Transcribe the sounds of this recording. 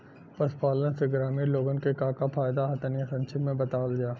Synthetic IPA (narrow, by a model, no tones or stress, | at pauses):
pɐspaːlənseɡɾaːmiːɾloːɡənkekãːkapʰaːjd̪aɦɐt̪ənijasɐ̃nt͡ʃʰɪpmẽbɐt̪aːld͡ʒaː